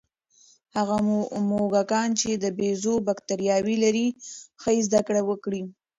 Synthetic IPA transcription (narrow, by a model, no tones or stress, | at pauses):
haɣammoɡakɑnt͡ʃed̪əbezobakt̪aɾjɑwilaɾixəizd̪akɽawəkɽi